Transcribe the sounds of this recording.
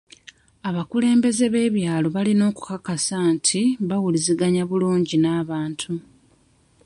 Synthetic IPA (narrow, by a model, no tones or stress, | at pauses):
aβakule̞ːmbe̞ze̞βe̞ːβjaːlo̞βalino̞ːku̥kakasantʰiβawuliziɡaɲaβuluːɲɟinaːβaːntʰu